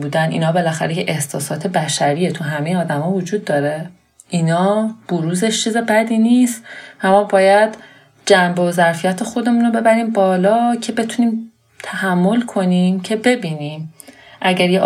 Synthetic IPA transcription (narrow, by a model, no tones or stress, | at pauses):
buːd̪ænḭːnɒːbe̞læxæ̰ɾejʰeʔehsɒːsɒːt̪ʰe̞bæʃæɾijet̪ʰuɦæme̞jeɒːd̪æmɒːvod͡ʒuːd̪ːɒːɾe̞ | ʔiːnɒːb̥oɾuːze̞ʃt͡ʃʰiːze̞bæd̪iːniːst̪væmɒːbɒːjæd̪̥ | d͡ʒæmbozæɾfijæt̪ʰe̞xo̞d̪e̞muːno̞be̞bæɾiːmbɒːlɒːcʰe̞be̞t̪ʰuniːm | t̪ʰæhæmːo̞lkʰo̞nimcʰe̞be̞biːniːm | ʔæɟæɾje